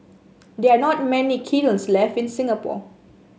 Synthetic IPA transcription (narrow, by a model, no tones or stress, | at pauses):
dɛanɔt̚mɛnikʰilə̃nslɛfĩnsɪ̃ŋapɔ̰